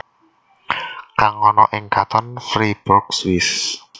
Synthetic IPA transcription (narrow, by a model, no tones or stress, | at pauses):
kaŋɔnɔʔɪŋkat̪ɔnfɾib̥ɔk̚swɪs